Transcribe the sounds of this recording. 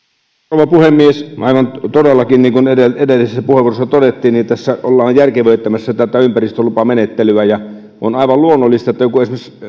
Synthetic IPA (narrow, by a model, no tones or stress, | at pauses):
ʋɑpuhemːiesʔɑˑiʋɑnt̪odelːɑkinniːŋkunedeedelːisesːæpuheʋːˑuorosːɑt̪odet̪ːiːnnint̪æsːæʔolːɑːjjærkeʋøˑit̪ːæmæsːæet̪ːæt̪ːˑæympærist̪ølupɑmenet̪ːelyæjɑ | ʔo̰nɑˑiʋɑlluonːolːist̪ɑot̪ːæjokueˑsmes